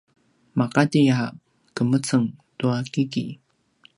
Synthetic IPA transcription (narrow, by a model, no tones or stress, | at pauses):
makatija | kəmət͡səŋtuakikḭ